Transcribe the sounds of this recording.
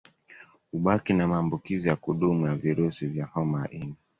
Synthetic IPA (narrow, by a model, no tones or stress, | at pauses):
uɓakinamaːmbukizijakuɗumujaviɾusivjahɔmaa̰ʔina